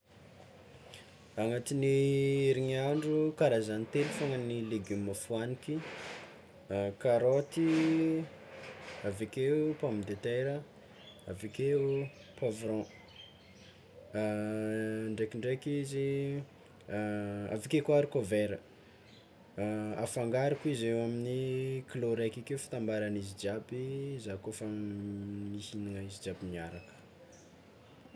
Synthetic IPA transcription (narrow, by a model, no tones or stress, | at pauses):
aŋat̪iniiɾiɲaɳɖ͡ʐukaɾazanit̪elufaŋəniliɡimafuaniki | kaɾot̪i | avekeupamid̪et̪eɾə | a̰vekeu | pavɾɔ̃ | ɳɖ͡ʐekiɳɖ͡ʐekizi | a̰vikekoaɾikoveɾə | afaŋɡaɾukizewaminikloɾekikeufi̥t̪ambaɾanizid͡ʒabizakofa | misiniŋəizid͡ʒabiniaɾakə̥